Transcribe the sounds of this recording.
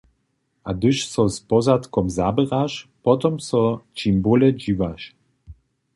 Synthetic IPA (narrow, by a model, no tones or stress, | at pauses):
ʔad̪ɨʃsɔspɔzat̪kɔmzabɛʁaʃpɔt̪ɔmsɔt͡ʃimbolɛd͡ʑivaʃ